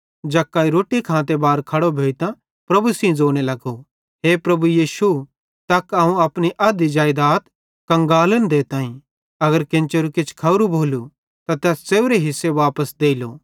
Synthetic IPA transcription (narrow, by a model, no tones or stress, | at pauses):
d͡ʒɐkːaːiɾoːʈikʰãːt̪̬ebaːɾkʰɐɽobʱeːit̪ã | pɾɐbusĩd͡zoːɽ̃elɐɡo | ɦepɾɐbujiːʃu | t̪ɐkɐɦũɐpɽ̃iʔɐd̪id͡ʒaːɪd̪aːt̪ | kɐ̃ŋɡaːlənd̪et̪ãːĩ | ɐɡəɾkɪ̃nt͡ʃeɾukɪt͡ʃʰkʰɐɾubʱoːlu | t̪at̪ɛːsseːuɾeɦɪsːeʋaːpəsd̪eːilo